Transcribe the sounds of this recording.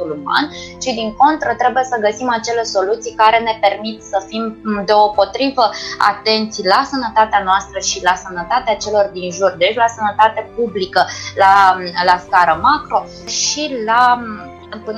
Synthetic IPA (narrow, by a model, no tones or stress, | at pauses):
t̪uluma̰nʃid̪iŋko̞nt̪ɾət̪ɾe̞buje̞səɡəsimat͡ʃe̞le̞so̞lut̪sijkaɾe̞ne̞pe̞rmit̪səfimd̪eopo̞t̪ɾivəa̰t̪e̞nt̪sʲlasənət̪at̪eanoast̪ɾəʃilasənət̪at̪eat͡ʃe̞lo̞rd̪inʒurd̪et͡ʃlasənət̪at̪e̞publikəlalaskaɾəmakɾo̞ | ʃila | pɨn